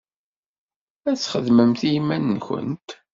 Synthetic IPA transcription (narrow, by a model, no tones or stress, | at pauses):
æt͡sːχəðməmθijmːænːçə̰nt̪